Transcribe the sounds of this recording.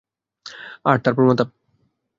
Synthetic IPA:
aɾt̪aɾpoɾmɔt̪ap̚

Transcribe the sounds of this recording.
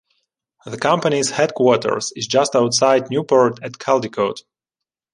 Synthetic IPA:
ðəkʰʌ̃mpənizhɛd̚kʰwɔtə̰˞ɹsɪzd͡ʒʌstawtsaɪd̚njupɔɹdætkʰɛlˠdikʰoʊt

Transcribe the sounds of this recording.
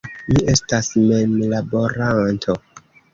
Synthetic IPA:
miʔe̞stasmenlabo̞ɾantʰo

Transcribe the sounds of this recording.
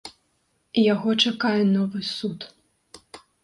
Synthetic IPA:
jaɣɔt͡ʂakajɛnɔvɨsut̪

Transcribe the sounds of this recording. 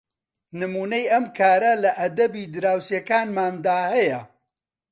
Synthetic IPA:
nɨmuːnɐjʔɐmkʰaːɾɐlɐʔɐd̪ɐbiːd̪ɨɾaːwsjɐkaːnmaːnd̪aːhɐjɐ

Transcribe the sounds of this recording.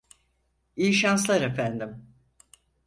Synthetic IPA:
ijiʃanslˠaɾefænd̪im

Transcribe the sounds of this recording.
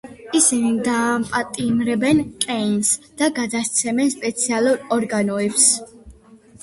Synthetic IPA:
isinid̪aːmpʼat̪ʼimɾɛbɛnkʼɛnsd̪̥aɡad̪ast̪sʰɛmɛnspʼɛt̪sʰialˠuɾɔɾɡanɔɛbs

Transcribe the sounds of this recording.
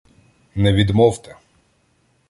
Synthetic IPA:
nɛʋʲid̪mɔwt̪ɛ

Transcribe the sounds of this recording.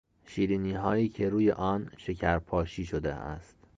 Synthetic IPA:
ʃiːɾiːniːɦɒːiːcʰe̞ɾuːje̞̰ʔɒːnʃe̞cʰæɾpʰɒːʃiːʃod̪ḛʔæ̰st̪

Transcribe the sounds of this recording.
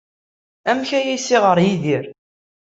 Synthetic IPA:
æmçæjisiʁəɾjiðiɾ

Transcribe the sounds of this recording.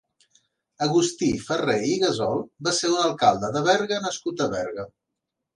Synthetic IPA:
əɣust̪ifəreiɣəzɔlˠbaseunəlˠkalˠd̪əðəβɛɾɣənəskut̪əβɛɾɣə

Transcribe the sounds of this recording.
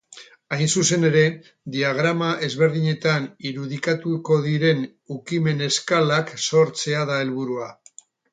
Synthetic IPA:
ajnsuse̞ne̞ɾe̞ | d̪iaɣ̞ɾamaʔe̞zβe̞ɾðiɲe̞t̪aniɾuðikat̪uko̞ðiɾe̞n | ukime̞ne̞skalakso̞ɾt͡se̞aðae̞lβuɾua

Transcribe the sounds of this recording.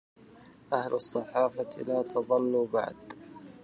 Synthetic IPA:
ʔahlsˤːɑħɑːfalaːt̪ɑðˤɑlːuba̰ʕd̪

